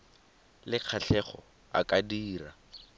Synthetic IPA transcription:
lɪq͡χʰaɬɛχɔ̰ | a̰kʼadiːra

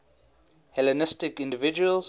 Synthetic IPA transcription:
hɛlənɪstɪkɪ̃ndɪvɪd͡ʒuəlz

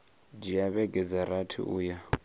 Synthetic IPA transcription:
d͡ʒijaɓɛɡɛzaɾatʰḭṵːja

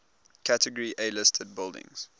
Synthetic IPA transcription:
kʰætəɡəɹiʔelɪstʰəd̚bɪlˠdɪ̰̃ŋz̥

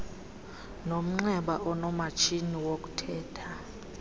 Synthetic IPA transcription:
nom̩ŋ͡ǀɛɓaʔɔnɔmat͡ʃʰiniwok̬ʼutʰɛːtʰa

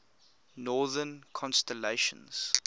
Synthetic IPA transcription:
nɔːðənkʰɔ̃nstɛleʃə̰̃nz̥

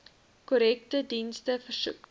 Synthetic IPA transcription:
kɔɾɛk̚tədinstəfərsṵk

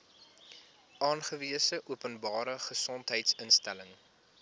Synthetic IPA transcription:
ɑːnχəviəsəʔuəpənbɑːɾəχəsɔntɦəjtsənstæləŋ

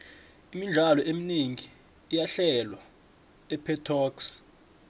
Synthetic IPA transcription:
imiɮʱalɔʔeminiŋʱiː | jaɬɛlwa | ɛpʰɛtʰɔːks

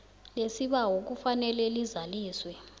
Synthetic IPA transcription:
lesiɓawok̬ufanɛlɛlizaliːswɛ

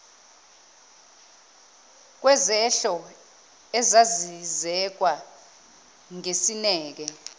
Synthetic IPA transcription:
k̬wɛzɛɬɔ | ɛzazizɛk̬wa | ŋesinɛːk̬ɛ

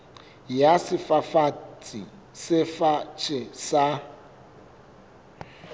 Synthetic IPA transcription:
jasɪfafat͡sʼi | sɪfat͡ʃʼɪsa

